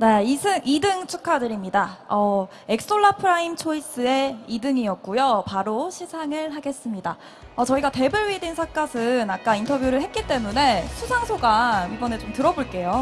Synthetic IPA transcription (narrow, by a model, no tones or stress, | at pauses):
neisʰɯŋʔidɯŋt͡ɕʰukʰadɯɾimɲidaʌ | ekss͈oɭːapʰɯɾaimt͡ɕʰois͈ɯe̞idɯŋiʌk̚k͈ujopaɾoɕʰisʰaŋɯɭɦaɡe̞s͈ɯmɲida | ʌt͡ɕʌiɡate̞bɯɭɥidinsʰak͈asʰɯnak͈̚aintʰʌbjuɾɯɭɦe̞t̚k͈it͈e̞mune̞sʰusʰaŋsʰoɡaibʌne̞t͡ɕomtɯɾʌboɭk͈e̞jo